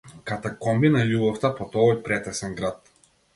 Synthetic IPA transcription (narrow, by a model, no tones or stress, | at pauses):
kat̪akɔmbinajubɔft̪apɔt̪ɔvɔjpɾɛt̪ɛsɛnɡɾat̪̚